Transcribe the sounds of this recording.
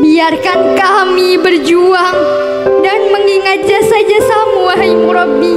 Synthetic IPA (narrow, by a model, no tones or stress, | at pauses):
biarkankamibərd͡ʒuaŋ | danməŋiŋat̪̚d͡ʒasad͡ʒasamuaɦajmuɾɔbːi